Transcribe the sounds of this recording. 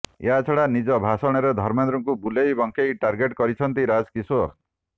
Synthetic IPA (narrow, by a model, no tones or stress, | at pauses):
j̰at͡ʃʰɔɽanid͡ʒɔbʱasɔɽ̃eɾed̪ʱɔɾmend̪ɾuŋkubulejbɔŋkʰejʈaɾɡeʈkɔɾit͡ʃʰʌnt̪iɾad͡zkisoɾ